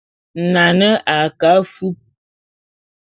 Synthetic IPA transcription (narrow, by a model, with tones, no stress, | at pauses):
na˨nə˦ʔa˨ka˨˦fu˦p̚